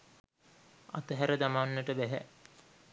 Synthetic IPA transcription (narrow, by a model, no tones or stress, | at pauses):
at̪əɦæɾəd̪amanːəʈəbæɦæ̰